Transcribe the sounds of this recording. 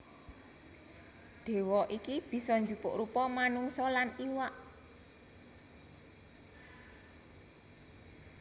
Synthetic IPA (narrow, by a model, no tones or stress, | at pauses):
ɖ̪̥e̤wɔʔikib̥i̤sɔɲd͡ʒupʊʔɾupɔmanuŋsɔlaniwaʔ